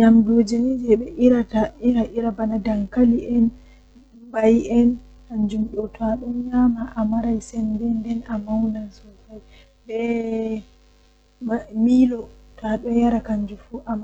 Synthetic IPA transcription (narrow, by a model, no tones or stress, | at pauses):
ɲamdod͡ʒanid͡ʒɛɓɛʔiɾataiɾaʔiɾabanadaŋkaliʔɛn | bajɛn | kaɲd͡ʒumɗɔtaɗɔnɲamaʔamaɾajsɛndɛndɛnamawnansɔfaj | ɓɛ | mmilɔtaɗɔjaɾakaɲd͡ʒufuʔama